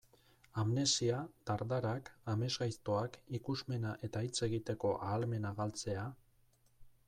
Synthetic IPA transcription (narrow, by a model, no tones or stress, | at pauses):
amne̞siat̪aɾd̪aɾakame̞zɣajst̪o̞akikuzme̞naʔe̞t̪ait͡se̞ɣit̪e̞ko̞ʔaːlme̞naɣalt͡se̞a